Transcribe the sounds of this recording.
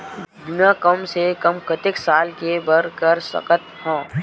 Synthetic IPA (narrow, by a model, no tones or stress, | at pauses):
d̪ʊnakəmsekɐmkət̪ɪksaːlkebəɾkəɾsɐ̰kət̪hãː